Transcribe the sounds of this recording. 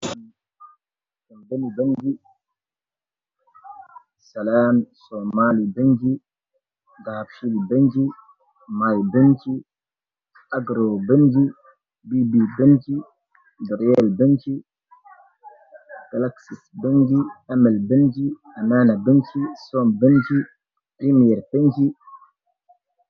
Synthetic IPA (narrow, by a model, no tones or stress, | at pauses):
ɔmbaniband͡ʒi | salamsɔmalibaɲd͡ʒi | ɡaːfilbeɲd͡ʒi | majbant͡ʃi | ʔaɡɾɔbaɲd͡ʒi | bibibənt͡ʃi | dɔɾjɛlbənt͡ʃi | ɡ̥alaksisbənd͡ʒiamɛlbənd͡ʒi | ananabənt͡ʃisɔmbənt͡ʃi | pɾimijɛɾpend͡ʒi